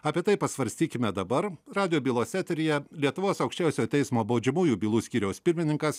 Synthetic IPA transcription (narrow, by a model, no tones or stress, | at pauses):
ɑːpʲiɛt̪ɐɪpɐsʋɐɾʲsʲt̪ʲiːkʲɪmʲɛd̪ɐbɐɾɾɑːd̪ʲɪjoːbʲiːlˠoːsʲæːt̪ʲɾʲɪjɛlʲiɛt̪ʊʋoːsɐʊkʃʲt͡ʃʲæˑʊsʲoːt̪ʲɛɪsmoːboːd͡ʒʲɛmuːjuːbʲiːlˠuːsʲkʲiːɾʲɛʊspʲɪɾʲmʲɪnʲɪŋkɐs